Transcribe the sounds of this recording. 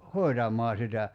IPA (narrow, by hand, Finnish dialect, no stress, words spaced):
hoi̞tɑmˑɑː sitæ